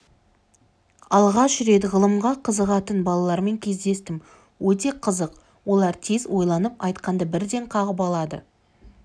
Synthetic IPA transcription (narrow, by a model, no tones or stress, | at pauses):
ɑlˠʁɑʒʏɾe̞d̪ɪʁəlˠəmʁɑqʰəzəʁɑt̪ənbɑlˠɑlˠɑɾme̞ŋkʲʰe̞zd̪e̞st̪ɪm | wɵt̪̬e̞qʰəzəq | wo̞lˠɑɾt̪ʰe̞zwo̞jlˠɑnəpɑjt̪qɑnd̪əbɪɾd̪e̞ɴqʰɑʁəp̬ɑlˠɑd̪ə̰